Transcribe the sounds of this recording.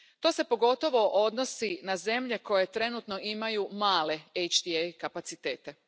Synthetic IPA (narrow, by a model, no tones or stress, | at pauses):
t̪o̞ːse̞po̞ɡo̞t̪o̞ʋo̞ʔo̞d̪no̞sinaze̞mʎe̞ko̞je̞t̪ɾe̞nut̪no̞imajumaːle̞ejt͡ʃd̪iejkapat̪sit̪e̞ːt̪e̞